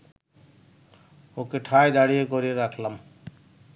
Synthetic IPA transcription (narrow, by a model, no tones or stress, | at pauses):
okeʈʰajd̪aɽijekɔɾieɾakʰlam